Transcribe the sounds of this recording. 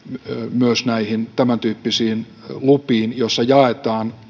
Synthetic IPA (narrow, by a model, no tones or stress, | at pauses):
myøsnæihint̪æmænt̪yːpːisiːn | lupiːnjosːɑjɑet̪ɑːn